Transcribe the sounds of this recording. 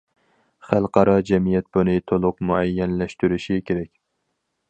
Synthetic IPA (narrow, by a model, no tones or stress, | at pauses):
χælˠqʰɑɾɑd͡ʒɛmijɛt̪̚bunɨt̪ʰolˠʊqmuɛjːɛnlɛʃt̪yɾyʃikʲʰeɾɛkʲ